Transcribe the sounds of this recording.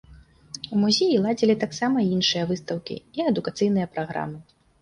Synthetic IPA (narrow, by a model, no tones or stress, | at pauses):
umuzʲejilˠad͡zʲilʲit̪aksamɐinʂɨjɐvɨst̪ɐwkʲḭiɐd̪ukat̪sɨjnɨjɐpɾaɣɾa̰mɨ